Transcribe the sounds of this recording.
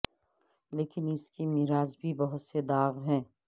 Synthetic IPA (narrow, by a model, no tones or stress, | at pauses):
leːkɪnɪskimiɾaːzbʱibɐɦʊt̪sed̪aːɣɦɛ̃ː